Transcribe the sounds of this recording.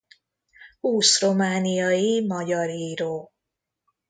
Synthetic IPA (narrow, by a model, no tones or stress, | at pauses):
huːsro̞maːnijɒjimɒɟɒɾiːɾoː